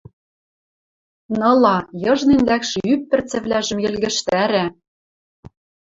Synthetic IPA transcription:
nɤ̆lɑjɤ̆ʒnenlækʃɘ̆ypːɘ̆rt͡sɘ̆βlæʒɘ̆mjɘ̆lɣɘ̆ʃt̪æɾæ

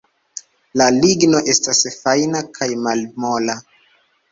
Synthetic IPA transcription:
laliɡno̞ʔe̞stasfajnakʰajmalmola

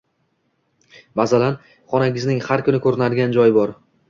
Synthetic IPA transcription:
bazalan | χɒnaɡʲɪznɪŋhaɾkʰʊnɪkʰɵɾɪnad̪ɪɡʲand͡ʒɒjɪbɒɾ

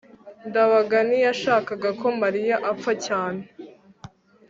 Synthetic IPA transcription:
ndaβaɡanijaʃaːkaɡakʰo̞maɾijaʔafacaːne

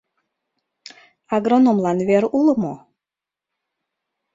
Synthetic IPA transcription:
aɡɾonomlˠɑnveɾulˠəmo

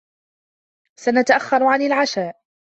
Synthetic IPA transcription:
sanat̪aʔaxːɑɾˤʕanɪlʕaʃaːʔ

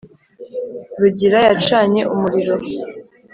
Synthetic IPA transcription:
ɾuɟiɾajat͡ʃaːɲe̞ʔumuɾiɾo̞

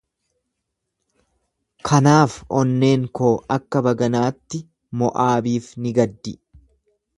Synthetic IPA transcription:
kʰɐnaːfɔnːe̞ːŋkoːɐkːɐbɐɡɐnaːt̪ːɪ | mɔʔaːbiːfnɪɡɐd̪ːɪ

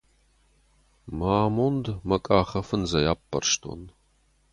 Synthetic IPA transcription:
maːmondmɐkʼaːχɐfɨnzɐjaːpʰʼːɐ̰rʂtʰʼo̰n

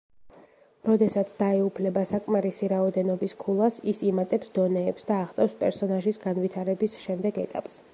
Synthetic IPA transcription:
ɾɔd̪ɛsat̪sʰd̪aɛupʰlɛbasakʼmaɾisiɾaɔd̪ɛnɔbiskʰulˠasisimat̪ʼɛpsd̪ɔnɛːpsd̪aːʁt̪sʼɛfspʼɛɾsɔnaʒisɡanvit̪ʰaɾɛbisʃɛmd̪ɛɡɛt̪ʼa̰pʼs

